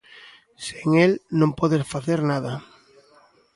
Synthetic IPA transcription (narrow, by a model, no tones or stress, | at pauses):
seŋelnõmpoðesfaθeɾnaða